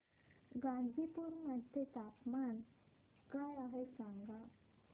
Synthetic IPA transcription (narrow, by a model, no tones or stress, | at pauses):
ɡãnd̪ʱipuɾmənt̪et̪apman | kajaɦesaŋɡa